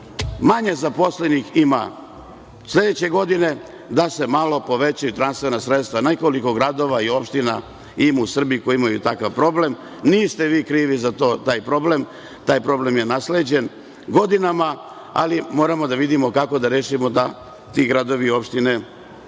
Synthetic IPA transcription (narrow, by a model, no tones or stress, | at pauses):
maɲe̞zapo̞slenixima̰ | slʎʲe̞d̪et͡ɕe̞ɡo̞d̪ine̞ | d̪ase̞malo̞po̞ʋe̞t͡ɕajut̪ɾanst̪ʋe̞nasɾe̞t̪st̪ʋane̞ko̞liko̞ɡɾad̪o̞ʋaio̞pʃt̪ina | imuusr̩biikojimajut̪akaʋpɾo̞ble̞m | niːst̪e̞ʋiːkɾiːʋizat̪o̞ːt̪aːjpɾo̞ble̞m | t̪aːjpɾo̞ble̞mje̞nasled͡ʑe̞n | ɡo̞d̪inama | a̰limo̞ːɾamo̞d̪aʋid̪imo̞kako̞d̪aɾeːʃimo̞d̪a | t̪iɡɾad̪o̞ʋiːo̞pʃt̪ine̞